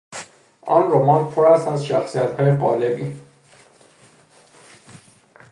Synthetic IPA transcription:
ʔɒ̰nɾomɒnpʰoɾæst̪æzʃæxsijæt̪ʰhɒːjeɢɒ̰ːlebi

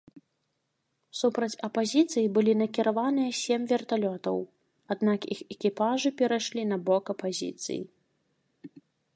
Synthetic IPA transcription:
supɾɐt͡sʲɐpazʲit̪sɨjibɨlʲinɐkʲiɾavanɨjɐsʲemʲvʲɛrt̪alʲɔt̪ɐ̰w | ad̪nakixɛkʲipaʐɨpʲɛɾajʂlʲinɐbɔkɐpazʲḭt̪sɨ̰jḭ

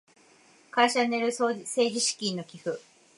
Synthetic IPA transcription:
kaiɕaneɾɯ̟sse̞ːd͡ʑiɕi̥kʲinːo̞kʲiɸɯ̟

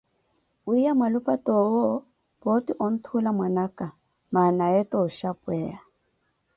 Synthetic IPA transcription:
uijamwalupʼatɔwɔ | pɔtiʔɔn̩tʰulamwanaka | manaɛtɔʃapwɛa

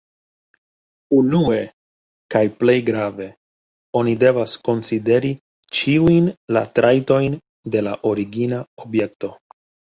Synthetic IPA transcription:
unue̞ | kajple̞jɡɾave̞ | o̞nide̞vasko̞nside̞ɾi | t͡ʃiujnla̰tɾʔajto̞jn | de̞laʔo̞ɾiɡinao̞bje̞k̚to̞

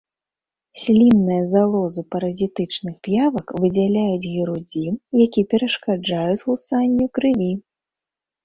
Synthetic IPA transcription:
sʲlʲinːɨjɐzalˠɔzɨpɐɾɐzʲit̪ɨt͡ʂnɨxpjavɐkvɨd͡zʲalʲajud͡zʲɣʲiɾud͡zʲinjakʲipʲɛɾɐʂkad͡ʐajud͡zʲzɣusanʲːukɾɨvʲi

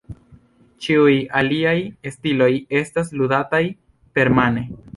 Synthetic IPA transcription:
t͡ʃiujaliajestilo̞je̞stas̬ludataj | pe̞ɾmane̞

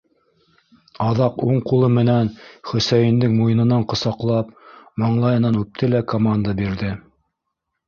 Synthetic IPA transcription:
ɑðɑquɴqulˠɤmɘ̆nænχɵ̆sæjɘ̆nd̪ɘŋmujɤ̆nɤ̆nɑɴqŏsɑqlˠɑpmɤ̆ɴlˠɑjɤ̆nɑnʉp̚t̪ʰɘlækomand̪abiɾðɘ

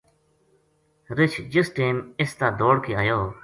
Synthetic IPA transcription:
ɾɪt͡ʃʰd͡ʒɪsʈeːmɪst̪aːd̪oːɽkiːaːjoː

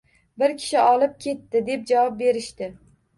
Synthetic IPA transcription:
bɪɾkʲʰɪ̥ʃɪʔɒlˠɪp̚kʲʰe̞t̪ːɪd̪e̞p̚d͡ʒavɒp̚be̞ɾɪʃt̪ɪ

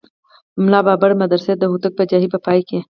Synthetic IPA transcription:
mlaːbaːbɐɽmɐd̪ɐɾsed̪ɐɦut̪ɐk̚bɐd͡ʒaɦibɐpaːike

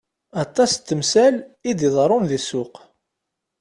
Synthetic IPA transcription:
ɑt̪ˤːɑst͡s̪ːəmsælid̪iðˤɾˤʊnðisʊq

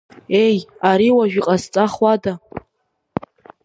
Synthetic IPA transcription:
ejaɾiwaʒᶣiqʼast͡sʼaχwada

